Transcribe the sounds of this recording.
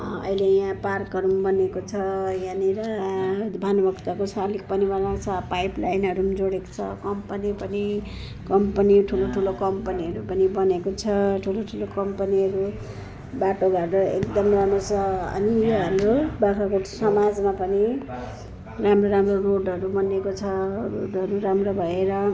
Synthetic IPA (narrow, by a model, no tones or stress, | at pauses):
ʌ̰jlejãparkʌɾumbʌnekot͡sʰʌjãniɾʌ | bʱanbʌkt̪akosʰalik̚pʌnibʌnat͡sʰʌpajplajnɦʌɾumd͡zoɽeko̥t͡sʰʌkʌmpʌnipʌni | kʌmpʌniʈʰuloʈʰulokʌmpʌniʌɾupʌnibʌnekot͡sʰʌʈʰuloʈʰulokʌmpʌniɦʌɾu | baʈobʱaʈʌekd̪ʌmramrot͡sʰʌʌ̰nijoɦamrobakakosʌmad͡zmapʌni | ramroɾamroroɖʌɾubʌnekot͡sʰʌroɖʌɾuɾamrobʱʌeɾʌ